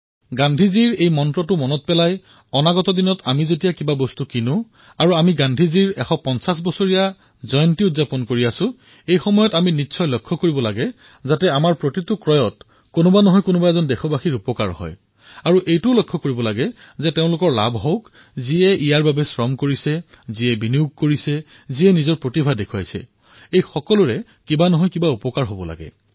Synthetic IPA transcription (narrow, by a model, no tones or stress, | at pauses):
ɡandʱiziɹejmɔntɹɔtʊmɔnɔt̚pɛlaj | ɔnaɡɔtɔdinɔtʰamizetijakibabɔstukinʊ | aɹuamiɡandʱiziɹɛ̰xɔpɔnsas̬bɔsoɹija | zɔjɔntiʊtzapɔnkoɹiasʊ̃ | ejxɔmɔjɔtaminitːsʰɔjlɔkʰːɔkoɹibɔlaɡɛ | zatɛamaɹpɹotitʊkɹɔjɔt | kʊnɔbanɔɦɔjkʊnʊbaɛzɔndɛxʰɔbaxiɹupɔka̰ɹhɔ̰j | aɹuʔejtʊlɔkʰːɔkoɹibɔlaɡɛ | zɛteʊ̃lʊkɔɹla̰bɦoʊk | ziɛijaɹbabɛsɹɔmkoɹisɛ | ziɛbiniuɡ̚koɹisɛ | ziɛnizɔɹpɹotibʱadekʰua̰jsɛ̰ | ejxɔkɔlʊɹɛ | kibanɔɦɔjkibaupɔkaɹɦobɔla̰ɡɛ̰